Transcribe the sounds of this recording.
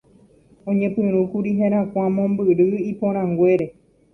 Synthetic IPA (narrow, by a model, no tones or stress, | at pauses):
õɲẽpɨ̃ɾ̃ũkuɾiɦẽɾ̃ãkʷãmõ̞mbɨɾɨipõɾ̃ãŋɡwe̞ɾe